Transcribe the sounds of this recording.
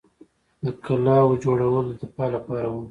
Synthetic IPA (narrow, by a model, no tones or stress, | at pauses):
d̪əkalɑwd͡ʒoɽawəlod̪əpɑlapɑɾawu